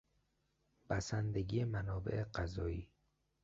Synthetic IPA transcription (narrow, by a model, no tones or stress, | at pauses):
b̥æsænd̪e̞ɡijemænɒːbḛʔeɢæzɒːiː